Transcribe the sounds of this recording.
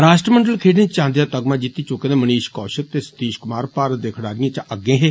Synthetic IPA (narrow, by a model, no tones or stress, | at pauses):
ɾaːʃʈɾəməɳɖəlkʰeːɖnẽːt͡ʃãːnd̪ejaːt̪əɡmãːd͡ʒit̪ːiːt͡ʃʊkeːd̪ẽːməniːʃkɔːʃək̚t̪eːsə̥t̪iːʃkʊmaːɾpaːɾət̪̚d̪eːkʰɽaːɾɪãːt͡ʃəɡẽːɦeː